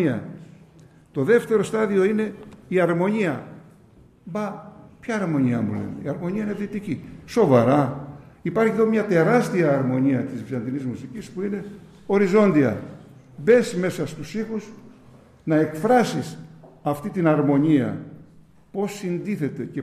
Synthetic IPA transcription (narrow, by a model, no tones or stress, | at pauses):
iɐ̰ | t̪o̞ðe̞ft̪e̞ɾo̞st̪ɐðio̞ine̞iɐɾmo̞ɲiɐ | bɐpçɐːɾmo̞ɲiɐ̰mṵlḛnḛḭɐɾmo̞ɲiɐinevðit̪iciso̞vɐɾɐipɐɾçiðo̞mɲɐt̪e̞ɾɐst̪iɐːɾmo̞ɲiɐt̪izvizɐnd̪inizmusicispuine̞ | o̞ɾizo̞nd̪iɐ̰ | be̞sme̞sɐst̪usixus | nɐe̞kfɾɐsisɐft̪it̪inɐɾmo̞ɲiɐ̰ | po̞sːind̪iθe̞t̪e̞ce̞